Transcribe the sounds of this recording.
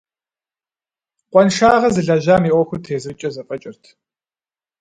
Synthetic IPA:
qʷʼɔnʃaːʁɐzɨɮɐʒaːmiːʔʷɔxʷʊtʰeːzɨɨt͡ʃʼɐzɐqʼɐt͡ʃʼɪrtʰ

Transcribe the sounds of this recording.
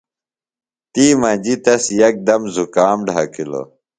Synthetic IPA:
t̪iːmɐ̃d͡ʑit̪ɐsjɐk̚d̪ɐmzukaːmɖʱa̰kilo̰

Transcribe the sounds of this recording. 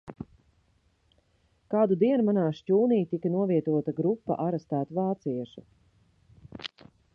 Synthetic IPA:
kaːd̪ud̪iɛnumanaːʃcuːnijt̪ikanuɔviɛt̪uɔt̪aɡɾupːa̰ʔaɾɛst̪æːt̪uvaːt̪siɛʃu

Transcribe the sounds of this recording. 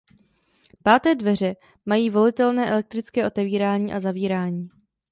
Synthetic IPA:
paːt̪ɛːdvɛr̝ɛ | majiːvo̞lɪt̪ɛlnɛːʔɛlɛk̚t̪ɾɪt͡skɛːʔo̞t̪ɛviːɾaːɲiːʔazaviːɾaːɲiː

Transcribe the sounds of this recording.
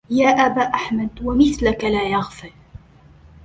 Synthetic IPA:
jaːʔabaːʔaħmad̪wamɪθlakalaːjɑɣfɪɾ

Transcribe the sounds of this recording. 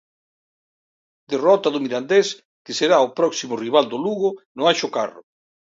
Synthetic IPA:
d̪erɔt̪aðʊmiɾand̪es | kɪseɾaopɾɔksimʊriβ̞ald̪oluɣʊnʊajʃʊkarʊ

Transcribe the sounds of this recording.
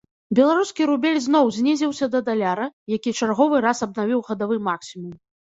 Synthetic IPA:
bʲɛlˠaɾuskʲiɾubʲɛlʲznɔwzʲnʲezʲɛwsʲɐd̪ɐd̪alʲaɾɐjakʲit͡ʂarɣɔvɨɾasɐbnavʲiwɣɐd̪avɨmaksʲimum

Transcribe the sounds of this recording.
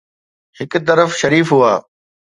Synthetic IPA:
hɪkt̪̬ɐɾəfʃɐɾiːfɦuaː

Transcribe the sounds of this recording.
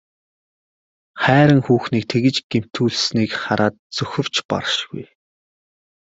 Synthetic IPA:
χæːɾə̆ŋxuːxniːk̚t̪ʰeɣɘ̆t͡ɕɡ̥em̥t̪ʰuːɮsniːkχaɾʔaːt̪̚t͡sɵxʲɪ̆r̥t͡ɕpɔ̰ɾʃɡṵj

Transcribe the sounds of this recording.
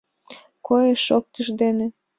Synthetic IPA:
kojeʃok̚t̪əʒd̪enĕ

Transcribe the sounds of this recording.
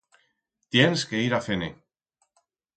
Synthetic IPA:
t̪jenskeiɾafene

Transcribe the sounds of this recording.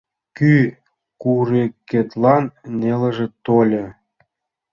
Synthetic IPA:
ky | kurekːet̪lɑnːeləʒĕt̪olʲə̆

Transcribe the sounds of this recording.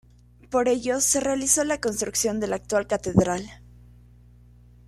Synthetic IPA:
po̞ɾe̞ʝo̞se̞re̞aliso̞lako̞nst̪ɾuksjo̞nd̪e̞lak̚t̪walkat̪e̞ðɾal

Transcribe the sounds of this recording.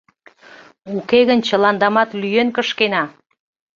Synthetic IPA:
ukeɣənt͡ɕəlɑnd̪ɑmɑt̪lyjenkəʃkenɑ

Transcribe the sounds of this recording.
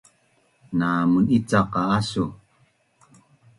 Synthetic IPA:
namunit͡saqaasu

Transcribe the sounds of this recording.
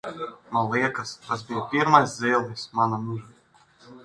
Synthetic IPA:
malˠiɛkaskas̬bijɔpʲiɾmajszɛːlˠismanamuʒa

